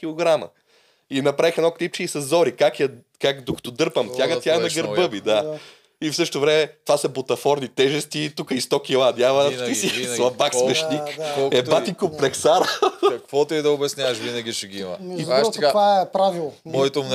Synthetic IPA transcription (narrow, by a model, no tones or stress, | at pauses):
kʲilˠoɡɾamɐ̰ | inɐpɾavixɛnɔklip̚t͡ʃiisɐzːɔɾikakjɐ | kakd̪okɐ̥t̪ɔd̪ɤɾpəmt̪ʲjaɡɐt̪janɐɡəɾbɤbid̪a | ifsɤʃtot̪ovɾɛmɛt̪vasɐbot̪ɐfɔɾnit̪ɛʒɛst̪it̪ukəist̪ɔkʲilˠad̪javɐt̪isislˠɐbaksvɛʃnikɛbat̪ikopɾɛksaɾəɐkvɔt̪oɛd̪ɐobɛsnʲjavɐʃvinɐɡʲiʃɛɡiimɐ̰izɾɔt̪kaaɛpɾavilˠɔjt̪omn